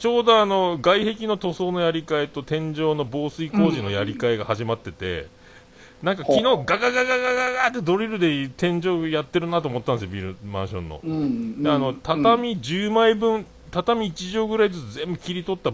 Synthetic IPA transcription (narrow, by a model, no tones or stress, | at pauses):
t͡ɕo̞ːd̪o̞ano̞ɡaihe̞kʲino̞t̪o̞so̞ːno̞jaɾʲikaet̪o̞t̪ẽ̞ɲd͡ʑo̞ːno̞bo̞ːsɨiko̞ːʑino̞jaɾʲikaeɡahaʑimat̪ːe̞t̪e̞̰ | nãŋkakʲino̞ːɡaɡaɡaɡaɡaɡaɡaːt̪ːe̞d̪o̞ɾʲiɾɯ̟d̪e̞t̪ẽ̞ɲd͡ʑo̞ːjat̪ːe̞ɾɯ̟nat̪oːmot̪ːand̪esjobʲiɾɯmã̰ɰ̃ɕõ̞̰nːo̞̰d̪eano̞t̪at̪amʲid͡ʑɨːmaibɯ̟̃n | t̪at̪amʲiːt͡ɕiʑo̞ːɡɯ̟ɾaid͡zɨt͡sɨzẽ̞mbɯ̟kʲiɾʲit̪o̞t̪ːa